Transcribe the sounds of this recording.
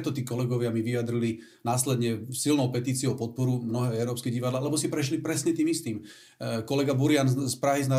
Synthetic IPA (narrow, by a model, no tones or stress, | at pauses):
t̪ɔt̪iːkɔlɛɡɔʋɪamiʋijad̪ɾili | naːslɛd̪ɲɛsilnɔʊpɛt̪iːt͡siɪɛʊpɔt̪̚pɔɾumnɔɦɛːɛʊɾɔːpskɛɟiʋad̪laːlɛbɔsipɾɛʃ̬lipɾɛsɲɛt̪iːmist̪iːm | kɔlɛɡabuɾɪanspɾaɦizna